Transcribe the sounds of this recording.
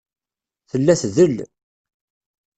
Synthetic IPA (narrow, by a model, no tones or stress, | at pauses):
θəlːæθðəl